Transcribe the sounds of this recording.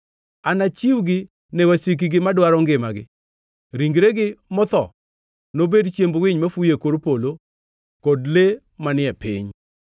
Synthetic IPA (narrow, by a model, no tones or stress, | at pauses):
anat͡ʃiwɡɪ | nɛwasik̬iɡɪmadwaɾɔŋɡɪmaɡɪ̰ | ɾiŋɡɾeɡɪmɔt̪ɔ̰ | nobedt͡ʃjembwɪɲmafujekoɾpolo | kɔdle | manɪɛpɪ̰ɲ